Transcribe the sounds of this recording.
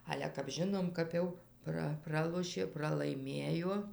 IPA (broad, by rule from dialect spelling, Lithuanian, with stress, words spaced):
ˈɑːlʲɛ kɐp ˈʒʲɪnoːm kɐp ˈjɛʊ ˈprɐ ˈprɑːlˠoːʃʲeː prɐlˠɐɪˈmʲeːjoː